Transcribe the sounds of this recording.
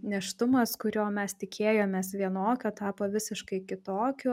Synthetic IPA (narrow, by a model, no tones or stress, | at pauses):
nʲɛʃt̪ʊmɐskʊɾʲoːmʲɛst̪ʲɪkʲʰeːjoːmʲeːsʋʲiɛnoːkʲoːt̪ɑːpoːʋʲɪsʲɪʃkɐɪkʲɪt̪oːkʲʊ